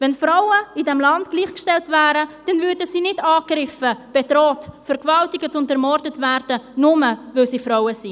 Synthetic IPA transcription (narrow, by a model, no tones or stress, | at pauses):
vɛnfɾaʊəidɛmlɑndɡ̥liːχkʃtɛltvæːɾəd̥ɛnvʏɾdəsiːnɪdɑːkrɪfəb̥ɛdɾɔːtfɛɾkvɑltɪɡətʊntɛɾmɔrdətvæɾd̥ənʊməvɪlsiːfɾɔwəsi